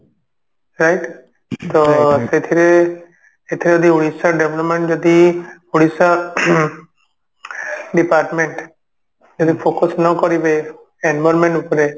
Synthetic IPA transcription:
ɾajʈ | t̪oset̪ʰiɾe | et̪ʰiɾeod̪iuɽisaɖebʱlɔpmẽɳʈd͡ʒɔd̪iuɽisa | ɖipaɾʈmeɳʈ | d͡ʒɔd̪ipʰokɔsnɔkɔɾibej | enbɔɾmẽɳʈupɔɾe

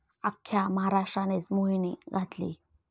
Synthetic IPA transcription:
akʰːjaməɦaɾaʂʈɾanet͡smoɦiniɡʱat̪lḭː

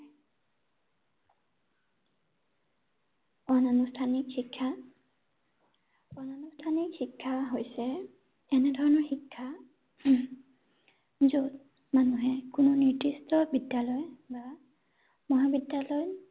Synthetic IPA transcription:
ɔnanustʰanikxikʰːa | ɔnanustʰanikhikʰːaɦojsɛ | ɛnɛdʱɔɹɔnɔɹxikʰːa | zot̚ | manuɦɛkʊnʊniɹdistɔbidjalɔjba | mɔɦabidjalɔj

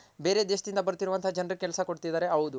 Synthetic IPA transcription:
be̞ːɾe̞ːd̪eʃɐd̪ind̪ɐbɐɾut̪iɾuʋɐnt̪ʰɐad͡ʒɐnrukɛlsɐko̞ɽt̪id̪aːɾe̞ɐʋud̪u

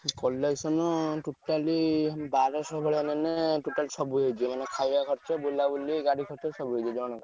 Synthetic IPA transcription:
kɔleksɔnɔʈuʈalibaɾɔsɔbʱɔɭanɛnɛʈuʈalisɔbuɦejt͡ʃʰimanɛkʰajakʰɔɾt͡ʃɔbolabuliɡaɽikʰɔɾt͡ʃɔsɔbuɦejt͡ʃʰid͡ʒɔɽ̃ɔk

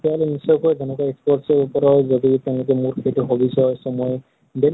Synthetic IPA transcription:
tɛɔlɛnisɔjkɔzɛnɔkaekspɔʈsɔɹupɔɾɔɹzoditɛ̃ʊ̃lʊkɛmuɹkʰetɔɦobisɔsɔmɔ | ɖel

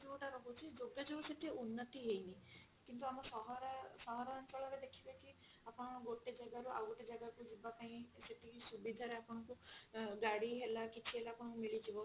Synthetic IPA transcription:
d͡ʒeuʈaɾɔɦʰut͡ʃʰid͡ʒoɡjɔd͡ʒebuseʈʰiunːɔt̪iɦejni | kint̪uamɔsɔɦɔɾasɔɦɔɾaɔnt͡ʃɔɭɔɾed̪ekʰibeki | apɔɽ̃ɔ̃ɡoʈed͡ʒaɡaɾuʔa̰wʈed͡ʒaɡaɾkud͡ʒibapaĩseʈʰikisubid̪ʱaɾeapɔɽ̃ɔkuɡaɽiɦelakit͡ʃʰiɦelaːpɔɽ̃ɔkumiɭid͡ʒibɔ

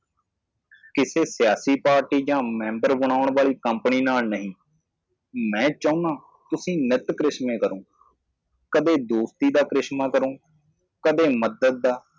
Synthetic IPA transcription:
kɪseːsɪjaːsiːpaːɾʈiːd͡ʒãːmɛ̃ːmbəɾbəɳ̃aːʊɳʋaːliːkəmpniːnaːlnəɦĩː | mɛ̃ːt͡ʃaːũnãː | t̪ʊsĩːnɪt̪kɾɪʃmẽːkəɾõː | kəd̪eːd̪oːst̪iːd̪aːkɾɪʃmaːkəɾõː | kəd̪eːməd̪əd̪̚d̪aː

